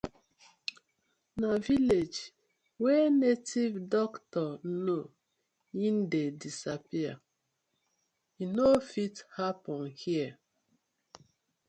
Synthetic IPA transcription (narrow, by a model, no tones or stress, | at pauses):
naviled͡ʒ | wɛnetivdɔktɔn̩no | jin̩dedisapia̰ | inofithapɔnhia